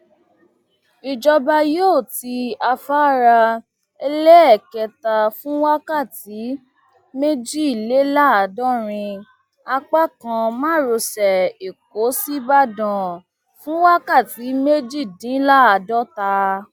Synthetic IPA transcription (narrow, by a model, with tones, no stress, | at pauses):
i˨d͡ʒɔ˧ba˧joː˦˨ti˧a˧fa˦ɾa˧ | ɛ˧lɛ˦ɛ˦˨kɛ˧ta˧fũ˦wa˦ka˦˨ti˨˦ | me˦d͡ʒi˦˨i˨le˨˦la˦a˧˨dɔ˦ɾ̃ĩ˧ | a˧k͡pa˦kã˧mãː˦˨ɾo˧˨sɛ˨e˨k̚o˨˦si˦ba˦dã˨ | fũ˦wa˦ka˦˨ti˨˦me˦d͡ʒi˦˨dĩ˨˦la˦a˨dɔ˦ta˧